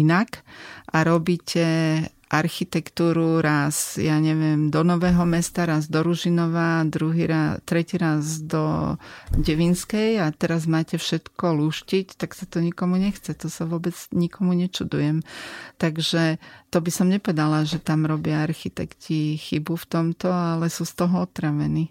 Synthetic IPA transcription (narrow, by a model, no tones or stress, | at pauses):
inakʔaɾɔbiːcʰɛ | ʔaɾxit̪ɛkt̪uːɾuɾazjaɲɛʋɪɛmd̪ɔnɔʋɛːɦɔmɛst̪aɾazd̪ɔɾuʒinɔʋad̪ɾuɦiɾat̪ɾɛciːɾazd̪ɔ | ɟɛʋinskɛjat̪ɛɾazmaːcɛfʃɛt̪kɔluːʃcict̪aksat̪ɔɲikɔmuɲɛxt͡sɛt̪ɔsaʋʊɔbɛd͡zɲikɔmuɲɛt͡ʃud̪ujɛmt̪aɡʒɛt̪ɔbisɔmɲɛpɔʋɛd̪alaʒɛt̪amɾɔbɪaaɾxit̪ɛkcixibuft̪ɔmt̪ɔalɛsuːst̪ɔɦɔɔt̪ɾaʋɛniː